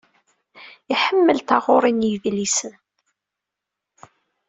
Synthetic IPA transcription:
iħəmːəlt̪aʁoɾˤinjəðlisən

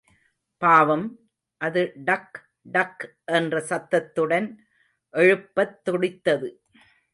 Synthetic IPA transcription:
paːʋɐm | ʔɐðɯɖɐk | ɖɐk | ʔɛndrɐsɐt̪ːɐt̪ːɯɽɐn | ʔɛɻɯpːɐt̪ːɔɽɪt̪ːɐðɯ

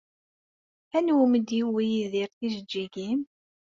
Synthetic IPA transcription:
ænwuməd̪jiwijiðiɾθizəd͡ʒːiɡim

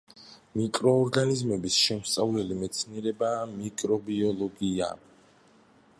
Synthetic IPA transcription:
mikʼɾɔːɾɡanizmɛbisʃɛmst̪sʼavlɛlimɛt̪sʰniɛɾɛbamikʼɾɔbiɔlˠɔɡia̰

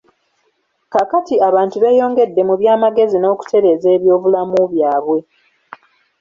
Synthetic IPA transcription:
kakatiaβaːntuβe̞ːjo̞ːŋɡe̞dːe̞muβjaːmaɡe̞zino̞ːku̥tʰe̞ɾe̞ːze̞ːβjo̞ːvulamuβjaːβwe̞

